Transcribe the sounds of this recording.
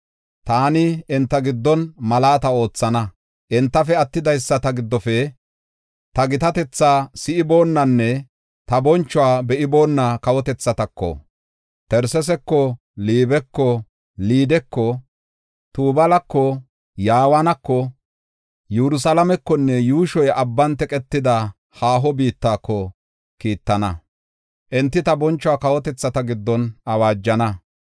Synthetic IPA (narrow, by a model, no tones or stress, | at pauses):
t̪aːnɪɪnt̪ːɐɡɪd̪ːɔnmɐlaːt̪ɐo̞ːt͡sːɐnɐ | ʔɛnt̪ːɐfɛɐt̪ːɪd̪ɐjsːɐt̪ɐɡɪd̪ːɔfɛ | t̪ɐɡɪt̪ɐt̪ɛt͡sːaːsɪʔɪbo̞ːnːɐnːɛ | t̪ɐbɔnt͡ʃːʊwaːbɛʔɪbo̞ːnːakɐwɔt̪ɛt͡sːɐt̪ɐkːɔ̰ | t̪ɛɾsɛs̬ɛkːɔ | liːbɛkːɔ | liːd̪ɛkːɔ | t̪uːbɐlɐkːɔ | jaːwɐnɐkːɔ | jɛɾʊs̬alɐmɛkːɔnːɛjuːʃɔjɐbːɐnt̪ɛkʼɛt̪ːɪd̪ɐ | haːɦɔbiːt̪ːaːkːɔ | kiːt̪ːɐnɐ | ʔɛnt̪ːɪt̪ɐbɔnt͡ʃːʊwaːkɐwɔt̪ɛt͡sːɐt̪ɐɡɪd̪ːɔnɐwaːd͡ʒːɐnɐ